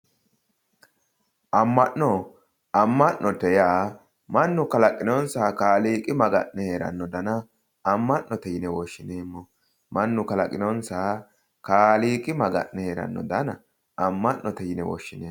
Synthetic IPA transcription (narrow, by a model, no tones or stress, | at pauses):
ʔɐmːɐʔːɔ | ɐmːɐʔnːʔɔt̪ɛjaː | mɐnːʊkɐlɐkʼːɪnɔnsaːkaːliːkʼɪmɐɡɐnːɛheːɾɐ̰nːɔd̪ɐnɐː | mːɐʔːɔt̪ɛjɪnɛwɔʃːɪneːmːɔ | mɐnːʊkɐlɐkʼːɪnɔnsaː | kaːliːkʼɪmɐɡɐ̰nːɛheːɾɐ̰nːɔd̪ɐnɐ | ɐmːɐʔnɔt̪ɛjɪnɛwɔ̰ʃːɪneː